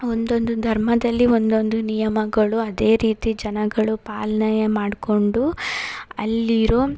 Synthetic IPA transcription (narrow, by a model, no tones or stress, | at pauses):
ond̪o̞nd̪ud̪ʱɐɾmɐd̪ɐlːiond̪o̞nd̪unijɐmɐɡɐɭuɐd̪e̞ːɾiːt̪id͡ʒɐnɐɡɐɭupaːlɐnɐjɐmaːɖko̞ɳɖu | ɐ̰lːiɾoː